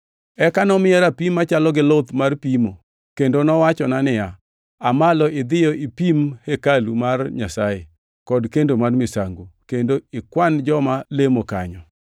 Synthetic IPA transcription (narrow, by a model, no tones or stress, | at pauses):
ɛkanɔmɪɛɾapimːat͡ʃalɔɡɪlot̪marpimo | kendonɔwat͡ʃɔnanɪja | amalɔɪd̪ɪjɔʔipimhekalumarɲasaje | kɔdkendomarmɪsaŋɡukendoɪkwand͡ʒɔmalemoka̰ɲɔ